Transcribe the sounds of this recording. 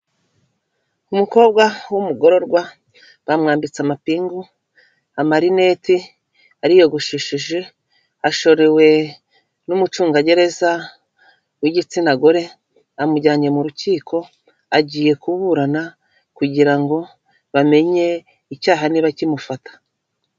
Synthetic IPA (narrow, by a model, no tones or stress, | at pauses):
umuko̞ːbɡwawumuɡo̞ɾo̞ɾɡwa | βamŋaːmbit͡samapiːŋɡu | amaɾine̞ti | aɾijo̞ɡuʃiʃiʒe̞ | aʃo̞ɾe̞we̞ | numut͡ʃuːŋɡaɟe̞ɾe̞za | wiɟit͡sinaɡo̞ɾe̞ | amuɟaːɲɟe̞muɾuciːkʰo̞ | aɟiːje̞kuβuɾana | kuɟiɾaŋɡo̞ | βame̞ɲe̞ | icaːɦaniβacimufatḁ